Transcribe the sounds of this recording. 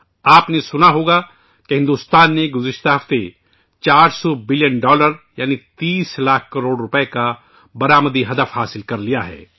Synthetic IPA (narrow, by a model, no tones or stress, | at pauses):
aːpnesʊnaɦoːɡa | keɦɪ̃nd̪uːst̪aːnːeɡʊzɪʃt̪aɦɐft̪e | t͡ʃaːɾsɔːbɪljənɖɔːləɾjaːnit̪iːslaːkʰkɐɾoːɽɾʊpeka | bɐɾaːməd̪iɦɐd̪əfhaːsɪlkɐɾlijaɦɛ̰ː